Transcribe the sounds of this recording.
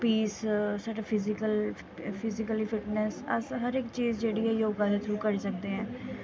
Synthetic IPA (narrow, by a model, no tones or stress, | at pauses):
piːssaːɖaːpʰɪzɪkəl | pʰɪzɪkəlipʰɪʈnɛsəsɦəɾɪkt͡ʃiːzd͡ʒeːɽiːɛːjoːɡãːd̪eːt̪ʰɾuːkəɾsək̚d̪eːɦɛ̃ː